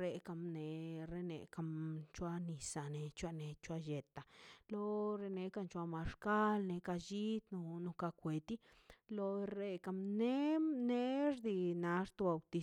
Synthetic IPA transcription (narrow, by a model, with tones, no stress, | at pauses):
ɾe˧ka˧mne˨ɾe˧nḛ˨ka˧mt͡ʃwa˧ni˨sa˨ne˧t͡ʃʷa˧ne˨t͡ʃʷa˧je˨t̪a˨lo˦ɾe˧ne˧ka˧nt͡ʃwa˧ma˧ʃka˦lne˧ka˧d͡ʒi˦t̪no˧no˧ka˧kʷe˨t̪i˦ | lo˧ɾe˧ka˧mne˦ne˦ɾd̪i˧na˧ɾt̪o˧ba˨wt̪i˧